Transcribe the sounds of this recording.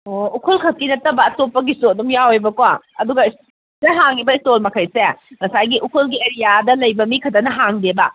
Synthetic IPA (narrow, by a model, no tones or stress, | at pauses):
oukʰolkʰɐt̚kːinɐtːɐbɐːtopːɐɡistodumjawejbɐkowaɐduɡɐs | seɦaŋibɐistolmɐkʰɐjseŋɐsajɡiʔukʰolɡieɾijadɐlɐjbɐmikʰɐtɐnɐɦaŋdebɐ